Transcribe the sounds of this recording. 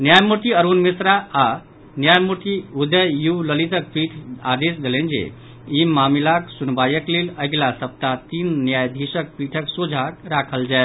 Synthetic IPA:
njajmut̪iəɾunmisɾaa | njajmuʈ̪iud̪əjjuləlit̪ək̚piʈʰa̰d̪esd̪elẽnd͡ʒḛ | imamilaksunbajəkleləɡlasəp̚t̪at̪iːnːjajd̪ʱisək̚piʈʰəksud͡ʒʱakɾakʰəld͡ʒae

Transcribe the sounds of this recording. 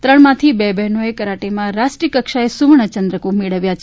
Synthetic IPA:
t̪ɾəɳ̃mãt̪ʰibɛbɛɦnoekəɾaʈemãɾasʈɾikəkʃaesuʋɳət͡ʃənd̪ɾəkumeɭəʋjat͡ʃʰ

